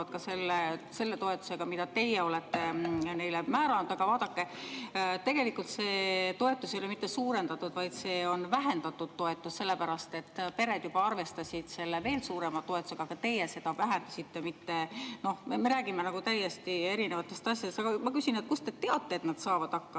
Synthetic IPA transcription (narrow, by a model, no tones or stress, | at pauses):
ɑd̪̥̚kɑse̞lːese̞lːe̞t̪o̞e̞t̪ːˑu̥se̞ɡ̥ɑmid̪ɑt̪e̞jeo̞let̪ːene̞jlemæːɾɑnud̪̥ɑɡ̥ɑvɑːd̪̥ɑkːe̞ | t̪e̞ɡ̥e̞likːˑult̪se̞ːt̪o̞e̞t̪ːˑusejolemit̪ːˑe̞suːɾe̞nd̪ɑt̪ːˑud̪̥vɑjd̪̥se̞ːo̞nvæɦe̞nd̪̥ɑt̪ːˑud̪̥t̪ːo̞et̪ːˑusːe̞lːepæɾɑst̪e̞t̪ːˑpe̞ɾe̞d̪̥jubɑɑrve̞st̪ɑsʲid̪̥se̞lːeve̞ːlsuːɾe̞mɑt̪o̞et̪ːˑu̥se̥ɑɡ̥ɑt̪e̞jese̞d̪̥ɑvæɦend̪ɑsit̪ːemit̪ːe̞no̞hmeme̞ɾæːɡime̞nɑɡut̪æjːest̪ie̞ɾine̞vɑt̪ːˑe̞st̪ɑsʲjɑd̪est̪ɑɡ̥ɑmɑkysinekust̪e̞t̪e̞ɑt̪ːe̞ːt̪nɑd̪̥sɑːvɑd̪̥ɑkːɑ